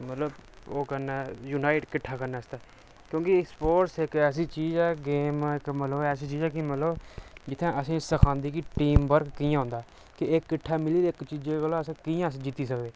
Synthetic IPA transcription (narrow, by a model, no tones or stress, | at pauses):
mət̪ləb | oːkənɛːjuːnaːɪʈkɪʈʰːaːkəɾnɛːɪst̪ɛː | kjõːkɪɪkspoːɾʈsɪkɛːsiːt͡ʃiːd͡ʒɛːɡeːmɪkmət̪ləbɛːsiːt͡ʃiːd͡ʒɛːkimət̪ləbd͡ʒɪt̪ʰːẽːʔəsĩːsəkʰãːnd̪iːkiʈiːmbəɾkkijãːɦʊ̃ːnd̪aː | kɪʔeːkːɪʈʰːaːmɪliːd̪ɪkt͡ʃiːd͡ʒeɡəlõəsːkiːãːsd͡ʒɪt̪ːiːsəkd̪eː